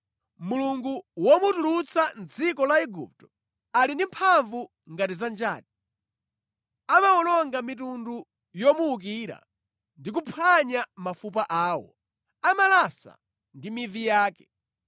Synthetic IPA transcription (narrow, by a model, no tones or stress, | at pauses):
muluŋɡuwɔmutulut͡sʰand͡zikɔlaɛɡṵp̚tɔ̥ | alindimpʰaɱvu | ŋɡatizand͡ʒa̰ːt̚i | amawɔnɔŋɡamit̬undu | jɔmuːk̬iːɾa̰ | ndik̬upʰaɲamafup̬aʔaːwɔ̰ | amalasa̰ | ndimivijaːkɛ̥